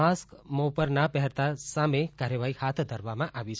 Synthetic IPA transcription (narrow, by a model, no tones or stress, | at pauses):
askmopəɾnapɛɦɛɾt̪asamekaɾjəʋaɦihat̪ʰd̪ʱəɾʋamãʔaʋit͡ʃʰ